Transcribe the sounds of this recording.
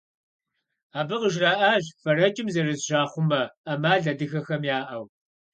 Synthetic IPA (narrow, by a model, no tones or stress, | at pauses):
aːbɨqəʒraːʔaːʒfɐɾɐt͡ʃʼɪmzɐrɨzʒaːχʷʊmɐɐmaːɮɐdɨxɐxɐmjaːʔɐw